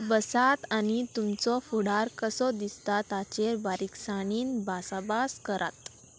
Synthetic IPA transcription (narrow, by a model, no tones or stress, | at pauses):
bəsat̪añit̪umt͡sɔfuɽaɾkəsɔd̪ist̪at̪at͡ɕeɾbaɾiksaɽ̃iːnbʱasabaskəɾʔa̰t̪